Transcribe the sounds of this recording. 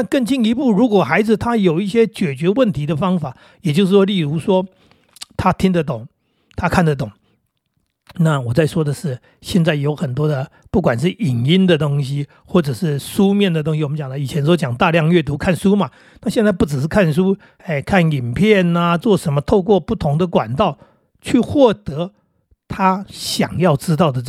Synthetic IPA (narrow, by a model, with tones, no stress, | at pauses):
na˥˧kə˥˧ŋt͡ɕi˥˧ŋi˧˥pu˥˩ɻu˧˥kwɔ˨˩xa˧˥ɪd͡zɹ̩˨˩t̪ʰa˥jo˨˩ʊi˥˩ɕjɛ˥t͡ɕɥɛ˨˩t͡ɕɥɛ˧˥wə˥˨˩nt̪ʰi˧˥d̪ə˨fɑ˥ŋfa˨˩˦ | jɛ˨˩t͡ɕjo˥˧ʊʂ̬̩˥˩wɔ˥˧li˥˩ɻu˧˥ʂwɔ˥ | t̪ʰa˥t̪ʰi˦˥ŋd̪ə˨t̪ʊ˨˩˦ŋ | t̪ʰa˥kʰa˥˩nd̪ə˩t̪̬ʊ˨˩˦ŋ | na˥˩wɔ˨˩t͡sa˥˩ɪʂwɔ˥d̪ə˨ʂɻ̩˥˩ | ɕjɛ˥˧nt͡sa˥˩ɪjo˧˥ʊxə˨˩nt̪wɔ˥d̪ə˨ | pu˥˩k̬wa˨˩nʂ̬ɻ̩˥˩ʔi˨˩ŋi˥nd̪ə˨t̪o˥ŋɕi˦ | xwɔ˥˩ʈ͡ʂɤ˨˩ʂɻ̩˥˩ʂu˥mjɛ˥˩nd̪ə˩t̪ʊ˥ŋɕi˨wɔ˨mə˦nt͡ɕjɑ˨˩ŋd̪ə˦i˨˩t͡ɕʰjɛ˧˥nso˥t͡ɕjɑ˨˩ŋt̪a˥˧ljɑ˥˧ŋɥɛ˥˩t̪̬u˧˥kʰa˥˩nʂu˥ma˨ | na˥˧ɕjɛ˥˧nt͡sa˥˧ɪpu˥˩ʈ͡ʂɻ̩˨˩ʂɻ̩˥˩kʰa˥˩nʂ̬u˦ | e˥˩ɪkʰa˥˩ni˨˩npʰjɛ˥˩na˦t͡swɔ˥˩ʂə˧˦˥nmə˧t̪ʰo˥˧ʊk̬wɔ˥˧pu˥˩t̪ʰʊ˧˦˥ŋd̪ə˨kwa̰˨˩nt̪ɑ˥˩ʊ | t͡ɕʰy˥˧xwɔ˥˩t̪ɤ˨˧˥ | t̪ʰa˥ɕjɑ̰˨˩ŋjɑ˥˩ʊʈ͡ʂɻ̩˥t̪ɑ˥˩ʊd̪ə˩˥